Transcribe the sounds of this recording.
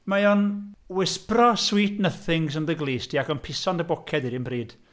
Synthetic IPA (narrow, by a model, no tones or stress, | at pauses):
majɔnwɪsprɔswiːtnəθɪŋsənðəɡlˠiːstʰiːakɔnpʰɪsɔndəbɔkʰɛdiɾɪnbriːd̥